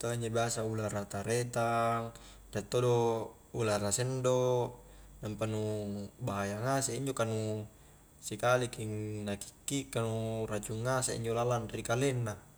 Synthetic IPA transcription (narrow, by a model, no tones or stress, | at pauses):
t̪oaɲd͡ʒobiasaulaɾat̪aɾet̪aŋ | rat̪ːodo | ulaɾasɛndo | nampanubaɦajaŋaseiɲd͡ʒokanu | sikalikiŋnaki̥kːikːanurat͡ʃuŋːasḛḭɲd͡ʒolalanrikalenːa